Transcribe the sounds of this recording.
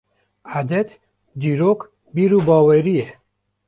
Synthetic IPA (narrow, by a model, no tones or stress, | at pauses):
ad̪et̪ | d̪iɾok | biɾubɔːweɾije